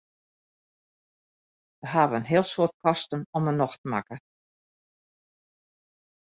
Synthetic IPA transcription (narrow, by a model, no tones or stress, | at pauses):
ʋəɦaːʋəənɦɪəlˠsoːət̚kɔstənɔmənɔxtəma̰kə